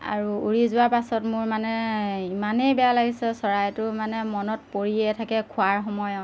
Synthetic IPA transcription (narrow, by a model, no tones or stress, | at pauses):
a̰ɹuuɹizʊwaɹpasɔtmʊɹmanɛimanejbɛjalaɡisɛsɔɹajtʊmanɛmɔnɔtpoɹiɛtʰakɛkʰʊaɹxɔmɔjɔt